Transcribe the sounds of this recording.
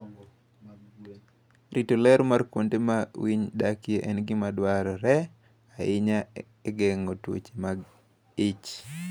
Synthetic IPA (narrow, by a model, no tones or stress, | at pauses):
ritolɛɾmarkwondemawiɲdakjeʔɛnɡɪmadwaɾɔɾɛ | aɪɲa | ɛɡɛŋotwo̰t͡ʃe̥maɡ | ɪt͡ʃ